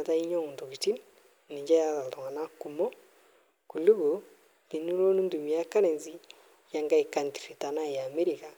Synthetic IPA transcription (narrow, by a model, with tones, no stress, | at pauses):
a˨ta˦i˦ɲo˦mu˨ntu˨ki˨ti˦n | ni˨d͡ʒa˦ja˦ta˨to˨ŋa˨na˦ku˨mo˦ | ku˨lu˦ɣo˨ | ni˨nu˦ɾo˦nu˦ndu˨mi˨a˦ka˦ne˨nzi˨ | ja˦ŋɡa˦i˨ka˨nti˨ɾi˨ta˨na˦˨ja˨me˦ɾi˨ka˨